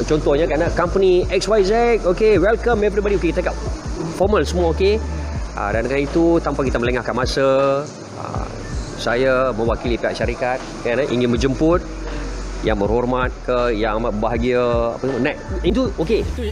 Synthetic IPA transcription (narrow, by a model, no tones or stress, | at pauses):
t͡ʃɔnt̪ɔhɲakaɾanakampəniɛkswajzɛk̚okewɛlkamɛɛp̬ɾibadiokekit̪akap̚fɔmalsəmuaokeʔa̰dankanit̪ut̪ampakit̪amələŋahkanmasa | a̰ | sajamə̃wakilipiɦa̰ʔʃaɾikat̪̚kaanaʔḭŋɪnmə̃ɲd͡ʒəmpʊt̪̚ | jaŋbərhormat̪̚kəjaŋamabaɦaɡiaa̰pəmənat̚int̪uoke